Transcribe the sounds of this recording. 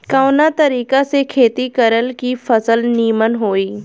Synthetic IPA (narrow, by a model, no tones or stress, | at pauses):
kaːnat̪ɐɾiːkasekʰeːt̪ikəɾəlkifʰɐsəlniːmənɦoːiː